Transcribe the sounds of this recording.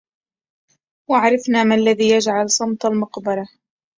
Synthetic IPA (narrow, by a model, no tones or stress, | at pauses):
waʕɾˤɑfnaːmalːaðiːjad͡ʒʕalsˤːɑmt̪ˤɑlmʊqbɑɾˤɑ